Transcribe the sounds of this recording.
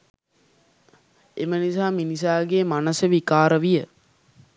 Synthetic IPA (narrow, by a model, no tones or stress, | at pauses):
emənisaːminisaːɡeːmanɐsəʋikaːɾəʋijə